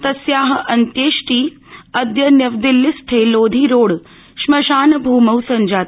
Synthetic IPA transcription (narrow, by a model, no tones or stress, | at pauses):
t̪ɐsjaːɦɐ̆ʔɐnt̪jeːʃʈiː | ɐd̪jɐnjɐʋd̪ɪlːɪsʈʰeːloːd̪ʱiːɾoːɽ | ʃmɐʃaːnɐbʱuːmɐwsɐnd͡ʒaːt̪